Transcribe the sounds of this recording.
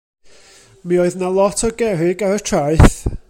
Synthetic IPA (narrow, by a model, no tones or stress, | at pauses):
mioɨðnalˠɔtʰɔɡɛɾɪɡaɾətʰraɨθ